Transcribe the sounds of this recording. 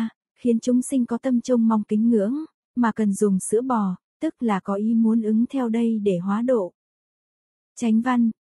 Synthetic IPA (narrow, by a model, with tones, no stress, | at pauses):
xi˨˦ənt͡ɕʊ˨˦ŋ͡msï˧ŋ̟kɔ˨˦t̪ə˧mt͡ɕʊ˧ŋ͡mma˧wŋ͡mkï˨˦ŋ̟ːɨ̰˧˥əŋ | maː˨˩kə˨˩nzʊ˨˩ŋ͡msɨ̰˧˥ɓɔ˨˩ | t̪ɨ˦˥k̚laː˨˩kɔ˨˦ʔi˨˦mu˨˦ənʔɨ˨˦ŋt̪ʰɛ˧wɗə˧jɗe˧˩ɦwaː˨˦ɗo̰˧˨ | t͡ɕa˨˦jŋ̟va˧n